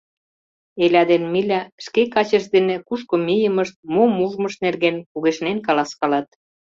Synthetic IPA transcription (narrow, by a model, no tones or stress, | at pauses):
elʲɑd̪enmilʲæʃkekɑt͡ɕəʃd̪enĕkuʃkomijəməʃt̪̚momuʒməʃnerɣenpuɣeʃnenkɑlɑskɑlɑt̪̚